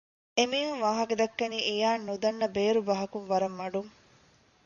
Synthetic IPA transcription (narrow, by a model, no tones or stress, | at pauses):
emiːɦunʋaːɦɐked̪ɐkːɐniːʔejaːnːud̪ɐnːɐbeːɾubɐɦɐkuŋʋɐɾɐmːɐɖuŋ